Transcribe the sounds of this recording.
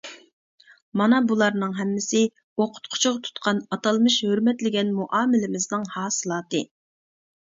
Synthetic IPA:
mɑnɑbulˠɑɾnɨŋɦɛmːɪsɪ | oqʰʊ̥t̪qʰʊ̥t͡ʃʰʊʁɑt̪ʰu̥t̪qʰɑnɑt̪ɑlˠmɨʃhøɾmɛt̪lɪɡʲɛnmuʔɑːmɪlɪmɪznɨŋhɑːsɨlˠɑːt̪ɨ

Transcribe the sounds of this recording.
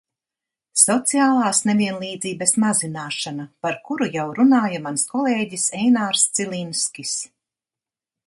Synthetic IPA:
sɔt̪siaːlˠaːsnevʲiɛnlˠiːd̪ziːbɐsmazinaːʃanapaɾkuɾujawɾunaːjamanskɔlˠeːɟisɛjnaːɾst̪silʲˠinskʲis

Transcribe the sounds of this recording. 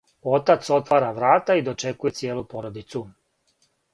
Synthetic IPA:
o̞t̪at̪so̞t̪ʋaːɾaʋɾaːt̪aid̪o̞t͡ʃe̞kuje̞t̪sjeːlupo̞ɾo̞d̪it̪su

